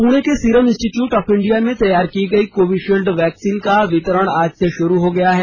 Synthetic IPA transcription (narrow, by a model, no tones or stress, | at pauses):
puːɽ̃ekesiːɾəmɪ̃nsʈiʈjuːʈɔːfɪ̃ɳɖijamẽt̪ɐjːaːɾkiɡɐikoːʋiʃilɖʋɛːksiːnkaʋɪt̪əɾəɽ̃aːd͡ʒseʃʊɾuɦoɡɐjaɦɛː